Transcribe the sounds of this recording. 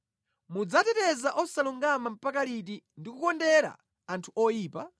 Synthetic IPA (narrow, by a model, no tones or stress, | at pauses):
mud͡zatɛtɛzaʔɔsaluŋɡamam̩pakalit̬indikukɔndɛɾa̰ | antʰuʔɔjiːpa